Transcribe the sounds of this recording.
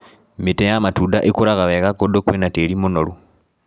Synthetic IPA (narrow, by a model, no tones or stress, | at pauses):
mitejamatudaʔikuɾaɣaβekakodokwenatelimonoɾu